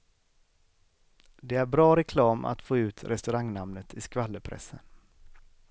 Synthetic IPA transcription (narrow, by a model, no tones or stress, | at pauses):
d̪ɛæɾbɾɑːɾɛkʰlɑːmʔa̰t̪foːʉ̟ːt̪ɾɛst̪ɵɾaŋnamnət̪ʰɪskvalːəpʰɾɛ̰sə̰n